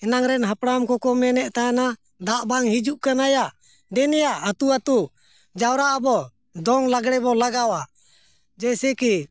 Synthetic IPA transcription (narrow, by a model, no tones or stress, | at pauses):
ɛnaŋɾɛnɦapɽamkɔkɔmɛnɛʔt̪aana | d̪aʔbaŋhid͡ʒuʔkanajaʔ | d̪ɛnɛjaʔat̪uat̪u | d͡ʒawɾaʔabɔ | d̪ɔŋlaɡɽɛbɔlaɡawa | d͡ʒɛsɛki